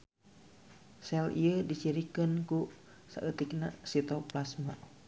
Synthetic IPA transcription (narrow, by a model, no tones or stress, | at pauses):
sɛlḭədit͡ʃiɾikənku | sa̰ʔət̪ik̚nasit̪ɔplasma̰